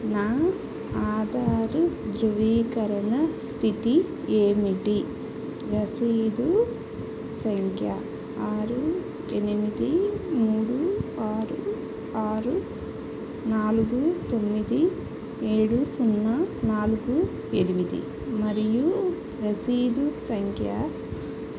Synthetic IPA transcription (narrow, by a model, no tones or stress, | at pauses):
naː | aːd̪aːɾd̪ɾuʋiːkɐɾɐɳɐst̪ʰit̪i | eːmiʈi | ɾɐsiːd̪u | sɐŋkʰja | aːɾu | enimid̪imuːɽuaːɾu | aːɾu | naːlɡut̪o̞mːid̪i | eːɽusunːanaːlɡu | enimid̪ḭ | mɐɾiju | ɾɐsiːd̪usɐŋkʰja